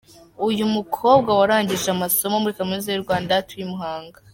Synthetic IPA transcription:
ujumukʰo̞ːbɡawaɾaːɲɟiʒamaso̞momuɾikamunizejuɾɡwaːndatuimuɦaːŋɡa

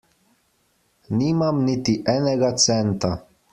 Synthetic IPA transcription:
nimamnit̪iʔɛnɛɡat̪sɛnt̪a

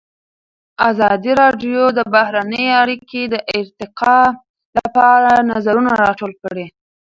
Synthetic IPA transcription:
azɑd̪iɾɑɖjod̪əbahɾanəjeaɾiked̪əʔɪɾt̪ɪqɑ | lapɑɾanazaɾunaɾɑʈolkəɽe

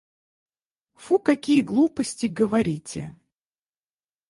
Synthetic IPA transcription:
fukɐkʲijəɡlˠupəsʲtʲɪɡəvɐɾʲitʲɪ̰

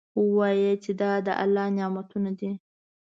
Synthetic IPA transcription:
əwɑjet͡ʃed̪ɑd̪əʔa̰lːɑnjɑmat̪unad̪i

